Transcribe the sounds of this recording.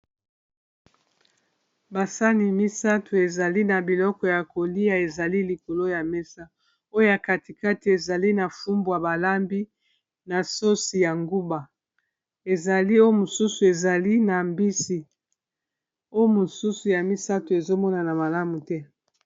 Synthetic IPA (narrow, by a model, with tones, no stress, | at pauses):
ba˨sa˦ni˨mi˦sa˦tʰu˨e˨za˨li˦na˨bi˨lɔ˦kɔ˨ja˨ko˨li˦a˨e˨za˨li˦li˨ko˨lo˦ja˨mɛ˦sa˦ | o˦o˦ja˨ka˦ti˨ka˦ti˨e˨za˨li˦na˨fu˦mbwja˨ba˨la˦mbi˦ | na˨so˦si˨ja˨ŋɡu˦ba˨ | e˨za˨li˦o˦jo˦mo˨su˦su˨e˨za˨li˦na˨mbi˦si˨ | o˦jo˦mo˨su˦su˨ja˨mi˦sa˦tu˨e˨zo˦mɔ˦na˨na˨ma˨la˦mu˨tɛ˦